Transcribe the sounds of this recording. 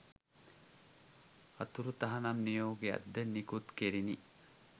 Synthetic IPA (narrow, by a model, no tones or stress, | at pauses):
ɐt̪uɾut̪ɐɦɐnamnijoːɡeɐ̰d̪ːənikut̪keɾini